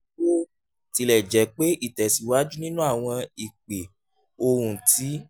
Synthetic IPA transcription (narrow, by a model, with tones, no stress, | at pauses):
o˦ | ti˧lɛ˨d͡ʒɛ˨˦k͡pe˦ʔi˦˨tɛ˨si˨wa˦d͡ʒu˦nĩ˦nũ˦a˦˨w̃ɔ̃˧i˨k͡pe˨ | o˧ɾũ˧tʰi˨˦